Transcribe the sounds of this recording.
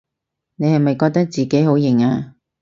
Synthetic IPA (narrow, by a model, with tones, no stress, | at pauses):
ne˨˧jhɐ˨jmɐ˨jkɔː˧k̚t̪ɐ˥k̚t͡siː˨ke˨˥jɦo˨˥wjɪ˨˩ŋaː˧